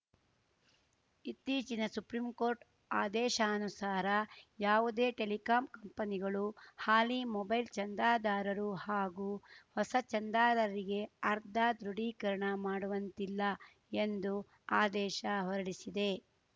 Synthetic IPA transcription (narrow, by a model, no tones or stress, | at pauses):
it̪iːt͡ʃinɐsupɾimkoːɾʈ | aːd̪ɛːʃɐːnusaːɾɐjaːʋud̪e̞ːʈelikaːmkɐmpɐniɡɐɭuhaːlimɔbɐjlt͡ʃɐnd̪aːd̪aːɾɐɾuhaːɡuːhɔsɐt͡ʃɐnd̪aːd̪aːɾɐɾiɡe̞ɐɾd̪ʱaːd̪ɾuɽiːkɐɾɐɳɐmaːɽuʋɐnt̪ilːɐ | end̪u | aːd̪ɛːʃɐɦɔɾɐɽisid̪e̞